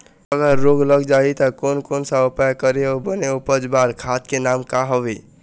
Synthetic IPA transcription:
əɡəɾːoɡləɡd͡ʒait̪əkonkonsaopakəɾeobəneupəd͡ʒbaɾkʰat̪kenamkaɦɔbe

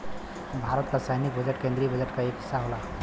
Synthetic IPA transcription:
bʱaɾət̪kasajnik̚bəd͡ʒeʈkẽnd̪ɾibəd͡ʒeʈkaeki̥saɦola

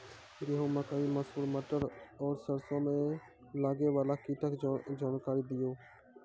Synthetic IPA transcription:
ɡeɦõːməkaːĩːməsuːɾməʈəɾɔːɾsəɾsõːmẽː | laːɡeːʋaːlaːkiːʈəkd͡ʒaːnkaːɾiːd̪ɪjoː

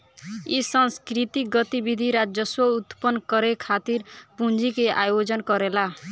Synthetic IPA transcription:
isʌnskɾit̪ik̚ɡʌt̪ibid̪ʱiɾad͡ʒjʌswʌut̪pʌnkʌɾekʰat̪iɾpund͡zikeʔajod͡zʌnkʌɾela

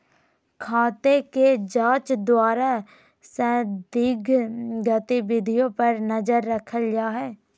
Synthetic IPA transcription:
kʰaːt̪eːked͡ʒaːt͡ʃd̪ʊaːɾaː | sɛ̃ːd̪ɪɡɡət̪ibɪd̪ʱijõːpəɾnəd͡ʒəɾːəkʰəld͡ʒaːɦɛː

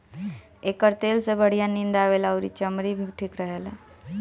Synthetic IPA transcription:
ekəɾt̪elsebəɽ̤ijanind̪aʋelawɾḭt͡ɕəmɾibʱiʈʰiːkɾəɦele

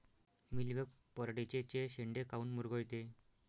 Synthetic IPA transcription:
milʋek̚ | pəɾɽit͡ɕet͡ɕeɕeɳɖekauːnmuɾɡəɭt̪e

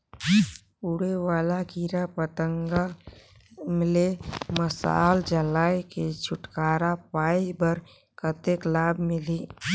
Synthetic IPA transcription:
ʊɽewaːlakiːɾapət̪əŋɡa | mɪleməsa̰ːld͡ʒəlaːjked͡ʒʰʊʈkaːɾapaːibəɾ | kət̪eklaːbʱmɪli

